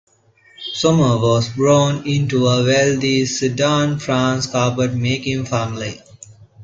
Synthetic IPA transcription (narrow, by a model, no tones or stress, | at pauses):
sʌməʋɔːzbɾoːnɪ̃nʈuəʋɛld̪isuɖãːnfɾãːnskaːpəɖmeːkɪ̃ŋfæmli